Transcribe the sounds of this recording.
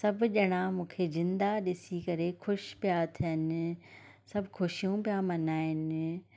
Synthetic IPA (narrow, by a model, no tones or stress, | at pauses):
sɐbʄɐɽ̃amũːkʰezɪ̃nd̪aɗɪsikɐɾexʰʊʃpɪjat̪ʰiənɪ̆ | sɐbkʰʊʃijũpɪjamɐnaːɪn